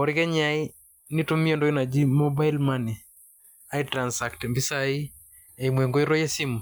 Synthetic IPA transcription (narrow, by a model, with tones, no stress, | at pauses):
ɔ˨ɾɪkɛ˦ɲai˦ | ni˦to˦mi˦ɔ˦ndo˦i˦na˨d͡ʒi˦mo˦ba˦i˦lmani˨ | a˦itɾansa˨ktɛmbi˦sai˦ | e˨imwɛ˨ŋɡo˦iɾo˦jɛ˦si˦m˨